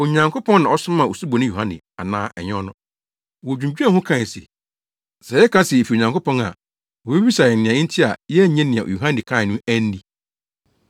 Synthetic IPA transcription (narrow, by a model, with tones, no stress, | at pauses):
o˨ɲã˨ŋkʰo˦pʰɔ̃˦nnã˨ɔ˦sʊ̃˦mã˨o˨su˦bo˨nɪ̃˦jo˨hã˦nɪ̰̃˨a̰˨nãː˦ʔɛ̰˨ɲ˦ɔ˦nʊ̃˦ | wɔ˨d͡ʑᶣũ˨ɲd͡ʑᶣɛ̃˦˨hʊ̃˦kʰã˦˨sḛ˨ | sɛ˨jɛ˦kʰã˦sɛ˨e˨fi˨o˨ɲã˨ŋkʰo˦pɔ̃˦na̰˨ | wɔ˨be˦bi˦sa˨ɛ˨nɪ̃˨ã˨ĩ˦n̩˦tʰi˦a˨jɛ˦˨ɲɛ̃˦nɪ̃˨ã̰˨u˨ɦã˦nɪ̃˨kʰã˦˨nũ˦æ˦n̩˦di˦